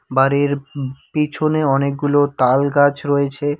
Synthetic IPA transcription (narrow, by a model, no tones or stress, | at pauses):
baɾiɾpit͡ɕʰoneɔnek̚ɡulot̪alɡat͡ɕɾɔet͡ɕʰe